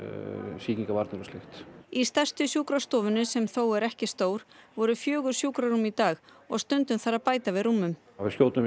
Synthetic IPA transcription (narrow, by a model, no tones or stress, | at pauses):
siːciŋkavaɾt̪nɛɾʏslɪxt̪ist̪ɛr̥st̪ʏsjuːkɾast̪ɔːvʏnʏsɛmθoːwɛɾɛhcɪst̪oːwɾ̥vɔɾʏfjœːɣʏɾ̥sjuːkɾaɾumit̪aːx | ɔ̰ɣst̪ʏnt̪ʏmθaɾapaːjt̪avɪðruːmːʏm | avɪscjoːwt̪nʏm